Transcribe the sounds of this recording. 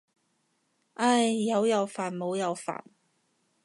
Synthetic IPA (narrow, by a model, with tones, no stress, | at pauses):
ʔɐ˥˩jːɐ˨˧wjɐ˨˧wfaː˨˩nmo˨˧wjɐ˨˧wfa̰ː˨˩n